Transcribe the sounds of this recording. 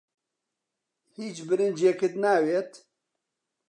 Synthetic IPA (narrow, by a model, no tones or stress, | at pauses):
hit͡ʃbɨɾɨnd͡ʒeːkɨt̪naːweːt̪